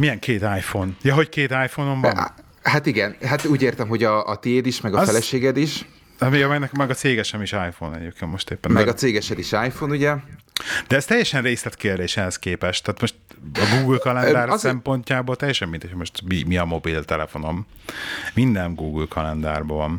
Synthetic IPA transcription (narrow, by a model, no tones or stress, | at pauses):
mijɛŋkʰeːt̪aːjfonjɒɦo̞ckeːt̪aːjfonoɱvɒm | hat̪iɡɛnɦat̪uːɟeːrt̪ɛmɦo̞ɟɒːt̪eːd̪iʃmɛɡɒffɛlɛʃeːɡɛd̪iʃ | miɒmɛɡnɛkmɛɡɒt̪seːɡɛʃɛmiʃaːjfonɛ̰jokemoʃt̪eːpːɛnmɛɡɒseːɡɛʃɛd̪iʃaːjfonuɟɛ | d̪̥ɛɛz̥t̪ɛjːɛʃɛnreːslɛt̪keːrd̪eːʃɛhɛskeːpɛʃt̪aːt̪mo̞ʃt̪ɒɡuːɡɨlkɒlɛnd̪aːrsɛmpo̞ɲcaːboːlt̪ɛjːɛʃɛmːind̪ɛcʰhojmo̞ʃt̪mimiɒmo̞bilt̪ɛlɛfo̞no̞m | mind̪ɛnɡuːɡɨlkʰɒlɛnd̪a̰ːrbɒvɒn